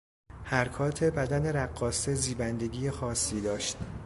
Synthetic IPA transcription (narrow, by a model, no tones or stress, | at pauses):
hæɾkʰɒːt̪ʰe̞bæd̪æne̞ɾæɡːɒːse̞ziːbænd̪e̞ɡiːjexɒːsːiːd̪ɒːʃt̪̚